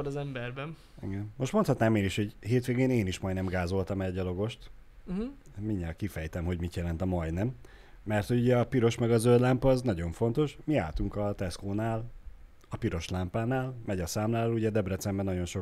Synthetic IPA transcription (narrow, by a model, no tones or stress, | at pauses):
oɾzɛmbɛrbɛn | ḭɡɛnːo̞ʃt̪mot̪hɒt̪naːmeːniʃhoɟɦeːt̪ʋeːɡeːneːniʃmɒj̪nɛmɡaːzo̞lt̪ɒmɛɟɒlo̞ɡo̞ʃt̪ | miɲːalkifɛjt̪ɛmɦo̞ɟmit̪jɛlɛnt̪ɒmɒjnɛmː | ɛrt̪ho̞ɟuɟɛɒpiɾo̞ʃmɛɡɒzøld̪lampɒznɒɟo̞ɱfo̞nt̪o̞ʃmia̰ːlt̪uŋkɒt̪ɛskoːnaːl | ɒpiɾo̞ʃlampaːnaːlmɛɟɒsaːmlaːluɟɛd̪ɛbrɛt̪sɛmbɛnɒɟo̞nʃo